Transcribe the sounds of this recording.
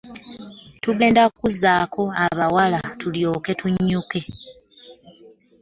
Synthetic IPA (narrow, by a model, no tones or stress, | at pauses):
tuɡe̞ːndakuzːaːkʰo̞aβawalatuljo̞ːke̞tuɲːuke̞